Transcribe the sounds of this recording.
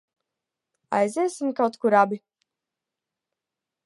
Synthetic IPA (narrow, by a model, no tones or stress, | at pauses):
a̰jzeːsimkawt̪kuɾabi